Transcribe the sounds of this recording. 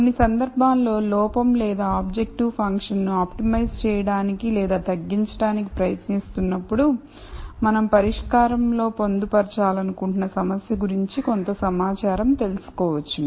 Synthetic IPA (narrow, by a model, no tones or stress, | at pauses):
kkonːisɐnd̪ɐɾbʱaːllo̞ːlɔːpɐmlɛːd̪aːaːb̚d͡ʒek̚ʈiʋpʰɐŋkʂɐnnuaːpʈimɐjst͡ʃɛːjɐɽaːnikilɛːd̪aːt̪ɐɡːiɲt͡ʃɐɽaːniki̥pɾɐjɐt̪nist̪unːɐpːuɽu | mɐnɐmpɐɾiʂkaːɾɐmlo̞ːpo̞nd̪upɐɾt͡ʃaːlɐnukuɳʈunɐsɐmɐsjɐɡuɾiɲt͡ʃiko̞nt̪ɐsɐmaːt͡ʃaːɾɐmt̪e̞lusu̥kɔːʋɐt͡ʃːu